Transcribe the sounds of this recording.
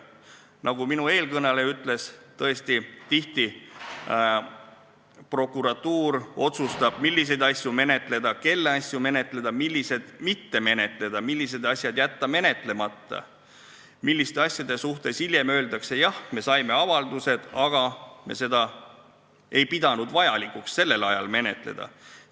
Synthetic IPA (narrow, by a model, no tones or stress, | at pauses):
nɑɡ̥uminue̞ːlkɤnɑle̞yt̪ːˑle̞st̪ɤ̞e̞st̪it̪iht̪i | pro̞kːˑuɾɑt̪ːuːɾo̞t̪sust̪ɑb̥̚milʲːis̬e̞jd̪ɑsʲjume̞ne̞t̪ˑle̞d̪̥ɑke̞lːeɑsʲjume̞ne̞t̪ˑle̞d̪̥ɑmilʲːise̞d̪̥mit̪ːe̞me̞ne̞t̪ˑle̞d̪̥ɑmilːise̞d̪ɑsʲjɑd̪̥jæt̪ːɑme̞ne̞t̪ˑle̞mɑt̪ːɑ̰ | milʲːist̪e̞ɑsʲjɑd̪̥e̞suht̪e̞silje̞mø̞ːld̪ɑkse̞jɑhme̞sɑjme̞ɑvɑld̪use̞d̪̥ɑɡ̥ɑme̞̰se̞d̪ɑ | e̞jpid̪̥ɑnud̪vɑjɑlikːuksːe̞lːe̞lɑjɑlme̞ne̞̰t̪ˑle̞̰d̪̥ɑ̰